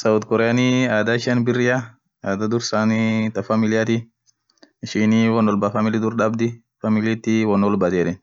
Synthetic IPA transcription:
sɐʊd̪kɔɾɛjaniaːd̪aɪʃɐnbɪrːɪja | aːd̪ad̪ʊɾsant̪ɐfɐmɪlɪjat̪i | ɪʃɪniwɔnːɔlbafɐmɪlɪd̪ʊɾᶑɐbd̪ɪ | famɪlt̪ːiwɔnːɔlbɐt̪ɛɛᶑɛn

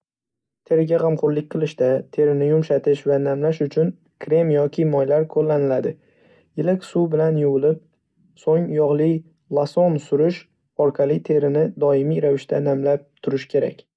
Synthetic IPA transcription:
t̪ʰe̞ɾɪɡʲaʁɑmqʰʊɾlɪk̚ʲqʰɨlˠɪʃt̪at̪ʰe̞ɾɪnɪjʊmʃat̪ʰɪʃvanamlaʃʊt͡ʃʰʊn | kʰɾe̞mjɒkʲʰɪmɒjlaɾkʰolːanɪlad̪ɪ | jɪlɪkʲsubɪlanjʊwɨlɪp̚ | soŋjɒʁlˠɪ | lˠasonsʊɾʊʃ | ɒɾqʰɑlˠɪt̪ʰe̞ɾɪnɪd̪ɒɪmiɾavɪʃt̪ʰanamlap̚t̪ʰʊɾɪʃkʲʰe̞ɾa̰kʲ

